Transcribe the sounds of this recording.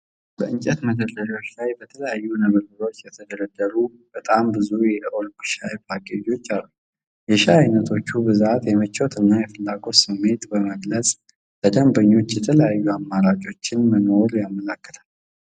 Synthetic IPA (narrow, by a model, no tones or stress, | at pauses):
bəʔɨɲt͡ʃʼɛt̪mət̪ʰəd̪əɾo̞t͡ʃːlajbət̪ʰələjajːunəβəɾɡɨɾo̞t͡ʃːjɛt̪ʰəd̪əɾəd̪ːəɾu | b̥ət̪ʼambɨzujɛolkʃajpakʼed͡ʒo̞t͡ʃːalːu | jɛʃiajnət̪ʰo̞t͡ʃːubɨzat̪jɛmət͡ʃːot̪ʰɨnːajɛfɨlːaɡo̞sɨmːe̞t̪bəməɡləsʼ | b̪əd̪əmbəɲːo̞t͡ʃːjɛt̪ʰələjajːuamːaɾad͡ʒo̞t͡ʃːɪnməno̞ɾjamːəlakːə̥lʰalː